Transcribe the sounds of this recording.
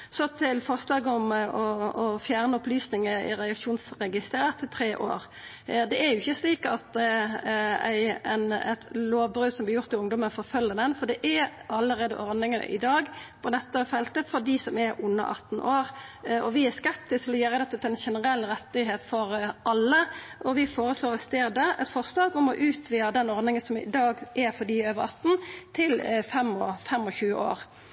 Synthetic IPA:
sɔt̪ʰɪlfɔʁslɑːɡɔmɔɔfjæːʁnəɔplyːsnɪŋəɪ̰ɾɛɑkʂuːnsʁɛɡɪst̪əɾət̪ʰːɪt̪ʰɾeːʔo̰ːɾ | d̪ɛæjʊɪçːəsliːkɑt̪ | æ̰ɪɛnɛ̰t̪loːʋbɾʉːd̪sɔmblɪɾjʊʁt̪ɪlʊŋd̪ɔmənfɔɾfœlːənənfɔd̪ɛʔæɑlːəɾeːd̪ə̰ʔɔʁd̪ɪŋənə̰ʔɪ̰d̪ɑːɡpʰɔd̪ɛt̪ːəfɛlt̪əfɔd̪ɪsɔmɛɾʉnːə̰ʔɑ̰t̪ːn̩ʔoːɾɔʋɪæskɛp̚t̪ɪst̪ʰɪlɔjøːɾəd̪ɛt̪ːət̪ʰɪlɛnʃɛnəʁɛlːɾɛt̪ːɪɦeːt̪fɔɾʔɑlːəʔɔʋɪfoːɾəsloːɾɛt̪st̪eːd̪əɛt̪fɔʁslɑːɡɔmɔʔʉːt̪ʰʋiːɾəd̪ɛnɔɾd̪ɪŋənsɔmɪ̰d̪ɑːɡʔɛɾfɔɖiøːʋəɾɑt̪ːn̩t̪ʰɪlfɛmɔfɛmɔçʉːəʔo̰ːɾ

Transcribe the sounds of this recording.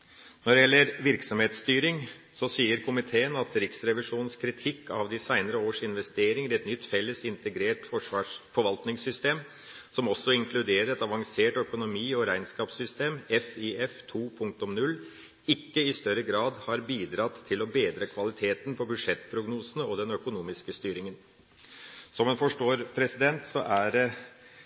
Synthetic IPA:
nɔɖɛjɛlːəɾʋɪɾksɔmheːt̪st̪yːɾɪŋ | sɔsiːəɾkʰʊmɪt̪ʰeːənɑt̪ɾɪksɾɛʋɪʂuːnn̩skʰɾɪt̪ʰɪkːɑʋd̪ɪsæɪnəɾəoːʂɪnʋɛst̪eːɾɪŋəɾɛt̪nʏt̪ːfɛlːəsɪnt̪əɡɾeːʈfɔɑfɔɾʋɑlt̪nɪŋsʏst̪eːm | sɔmɔsːɔɪŋkʰlʉd̪eːɾəɾɛt̪ɑʋɑŋseːʈœkʊnʊmiːɔɾæɪnskɑːpsʏst̪eːmɛfiɛft̪ʰuːpʰʊŋk̚t̪ɔmnʉlː | ɪkːəɪst̪œɾəɡɾɑːd̪hɑɾbiːd̪ɾɑt̪ʰːɪlɔbeːd̪ɾəkʰʋɑlɪt̪ʰeːt̪npɔbʉd̪ʂɛt̪ːpʰɾʊɡnuːsənəɔd̪ɛnœkʊnuːmɪskəst̪yːɾɪŋən | sɔmeːnfɔʂʈoːɾpʰɾɛsɪd̪ɛnt̪sɔʔæɾ

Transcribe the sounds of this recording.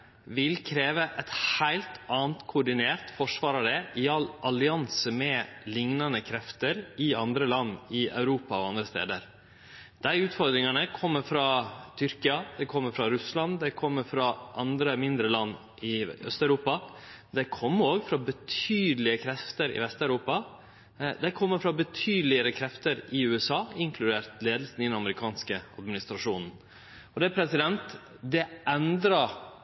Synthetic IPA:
ʋɪlkʰɾeːʋəʔɛɪt̪hæɪlt̪ɑːnt̪kʰʊːɖɪneːɾt̪fɔʂʋɑːɾɑd̪ɛʔɪɑlʔɑlɪɑnsəmɛlɪŋnɑnəkʰɾɛft̪əɾɪɑnd̪ɾəlɑnːɪʔɑ̰ʉɾuːpɑɔɑnd̪ɾəst̪ḛːd̪əɾ | d̪̥æɪʉːt̪fɔɾd̪ɾɪŋɑnəkʰɔmːəfɾɑt̪ʰʏɾkɪɑd̪ɛkʰɔmːəɾfɾɑɾʉslɑnd̪ɛɪkʰɔmːəɾfɾɑʔɑnd̪ɾəmɪnd̪ɾəlɑnː | ʔɪœ̰st̪œʉɾuːpɑ | d̪æɪkʰɔmːəɾoːɡfɾɑbət̪ʰyːd̪lɪəkʰɾɛft̪əɾɪ̰ʋɛst̪œʉɾuːpɑ | d̪æɪkʰɔmːəɾfɾɑbət̪ʰyːd̪lɪəɾəkʰɾɛft̪əɾɪʉːɛsɑːɪŋkʰlʉd̪eːɾt̪leːd̪əl̩sn̩ɪd̪ɛnɑməɾɪkʰɑːnskəɑd̪mɪnɪst̪ɾɑʂuːnn̩ | ɔd̪ɛæpʰɾɛsɪd̪ɛnt̪ | d̪ɛʔɛnd̪ɾɑ

